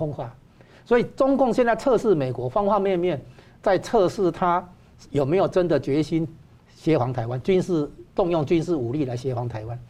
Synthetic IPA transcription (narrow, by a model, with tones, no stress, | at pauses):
o˧˥ŋwa˥˩ | swɔ˧˦˥i˨˩t͡sʊ˥ŋkʊ˥˨˧ŋɕ̬jɛ˥˧nt͡sa˥˧ɪt͡sʰɤ˥˧ʂɻ̩˥˩me˨˩ɪkwɔ˧˥fɑ˥ŋxwa˥˧mjɛ˥˧nmjɛ˥˨n | t͡sa˥˧ɪt͡sʰɤ˥˧ʂɻ̩˥˧t̪ʰa˦ | jo˨˩me˨˦ɪjo˨˩ʈ͡ʂə˦nd̪ə˨t͡ɕɥɛ˧˦ɕi˦n | ɕjɛ˧˥xwa˧˦ŋt̪ʰa˧˦ɪwa˦nt͡ɕy˦˥nʂɻ̩˥˧t̪ʊ˥˧ŋjʊ˥˩ŋt͡ɕy˦nʂɻ̩˥˩u˨˩li˥˨la˧˦ɪɕjɛ˧˦˥xwa˧˦ŋt̪ʰa˧˦ɪwa˦n